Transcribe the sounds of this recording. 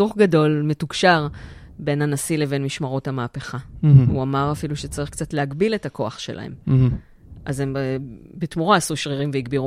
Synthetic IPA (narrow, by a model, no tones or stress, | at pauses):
suχɡado̞lme̞tukʃaʁ | be̞nanasile̞ve̞nmiʃmaʁo̞thamaːpe̞χauamaʁafiluʃet͡saʁiχkt͡satleaɡbile̞tako̞aχʃelʔa̰he̞̰m | ʔazemebetmuʁaːsuʃʁiʁimveiɡbiʁu